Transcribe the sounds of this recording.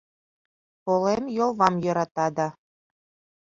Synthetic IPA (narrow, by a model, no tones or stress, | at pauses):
polemjolˠβɑmjɤ̆ɾɑt̪ɑd̪ɑ